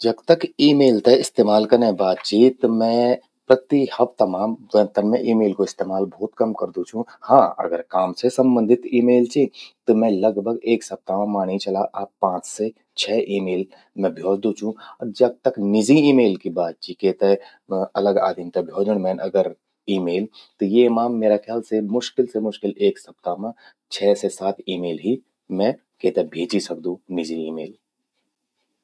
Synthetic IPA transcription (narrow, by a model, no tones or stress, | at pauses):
d͡ʒɐbt̪əkiːmeːlt̪eɪst̪eːmaːlkɐɾnẽbaːt̪̚t͡ʃiːt̪mɛ̃ | pɾət̪ihəbt̪ɐmãːmdə̃nt̪ənmẽʔiːmeːlkoɪst̪eːmaːlbʱɔːt̪kɐmkəɾd̪ut͡ʃʰũhãːɐ̰ɡəɾkaːmsesə̃mbə̃nd̪ʱɪt̪iːmeːlt͡ʃit̪omɛ̃lɐɡbʱəɡeːksɐp̚t̪aãmaːñit͡ʃɐlaʔaːpːãːt͡ʃse | t͡ʃʰɛːʔiːmeːl | mɛ̃bʱjoːd͡ʒd̪ũt͡ʃʰũɐɾd͡ʒɐɡ̚t̪əknɪd͡ʒiiːmeːlkibaːd̪̚t͡ʃikeːt̪e | ɐləɡa̰ːd̪ʱint̪ebʱjoːd͡ʒəɽ̃mɛ̃ːnʔɐɡəɾ | iːmeːlt̪ojemaːmːeːɾakʰjaːlsemʊʃkɪlsemʊʃkɪleːksɐp̚t̪amã | t͡ʃʰɛːsesaːt̪iːmeːlɦi | mɛ̃ | keːt̪ebʱeːt͡ʃisɐk̚d̪ũnɪd͡ʒiiːmeːl